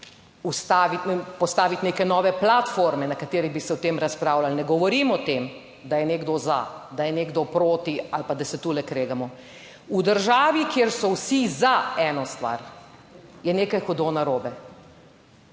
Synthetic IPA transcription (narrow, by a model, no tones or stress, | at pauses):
ust̪aːʋit̪pɔst̪aːʋit̪neːkɛnɔːʋɛplat̪foɾmɛnakat̪eːɾibisɛɔt̪eːmɾaspɾaːwlalnɛɡɔʋɔɾiːmɔt̪eːm | d̪ajɛneɡd̪ɔza̰d̪ajɛneːɡd̪ɔpɾoːt̪ialpad̪asɛt̪uːlɛkɾeːɡamɔ | ud̪əɾʒaːʋikjeːɾsɔwsizaɛːnɔst̪ʋa̰ɾ | jɛneːkajxɔd̪onaɾoːbɛ